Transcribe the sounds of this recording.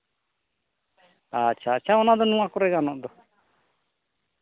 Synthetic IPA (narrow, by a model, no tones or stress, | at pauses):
atːʃʰaːtːt͡ʃʰaɔnad̪ɔnũãkɔɾɛɡanɔʔd̪ɔ